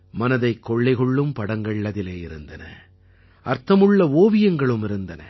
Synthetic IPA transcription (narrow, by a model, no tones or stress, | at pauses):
mɐnɐðɐɪkːɔɭːɐɪɣɔɭːɯmpɐɽɐŋɡɐɭːɐðɪleːɪɾɯnd̪ɐnɐ̰ | ʔɐɾt̪ɐmɯɭːɐoːʋɪjɐŋɡɐɭɯmɪɾɯnd̪ɐnɐ̰